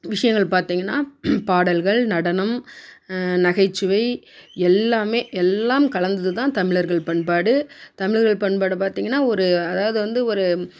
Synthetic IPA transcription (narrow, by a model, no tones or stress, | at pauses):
ʋɪʂɐjɐŋɡɐɭpaːɾt̪iːŋɡɐnːaːpaːɽɐlɣɐɭnɐɽɐnɐm | nɐɣɐɪt͡ʃːɯʋɐɪ | ɛlːaːmeːʔɛlːaːmkɐɭɐnd̪ɐðɯt̪ãːt̪ɐmɪɭɐɾɣɐɭpɐɳpaːɽɯt̪ɐmɪɭɐɾɣɐɭpɐɳpaːɽɯpaːɾt̪iːŋɡɐnːaːɔɾɯɐðaːʋɐðɯʋɐnd̪ɯɔɾɯ